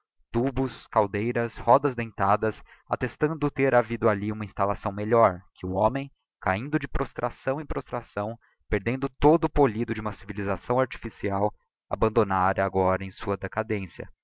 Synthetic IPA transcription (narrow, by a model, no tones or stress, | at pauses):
t̪ubʊskawd̪ejɾɐshɔd̪ɐzd̪ẽnt̪ad̪ɐs | a̰t̪est̪ɐ̃nd̪ʊt̪eɾavid̪ʊaliũmɐĩst̪alasɐ̃w̃meʎɔɾkʰɪʊõmẽj̃ | kaĩnd̪ʊd͡ʒɪpɾʔost̪ɾʔasɐ̃w̃ẽpɾost̪ɾasɐ̃w̃ | peɾd̪ẽnd̪ʊt̪od̪ʊːpolid̪ʊd͡ʒɪũmɐsivilizasɐ̃w̃aɾt͡ʃi̥fisiaw | abɐ̃nd̪onaɾɐaɡɔɾɐẽj̃suɐd̪ekad̪ẽsjɐ̰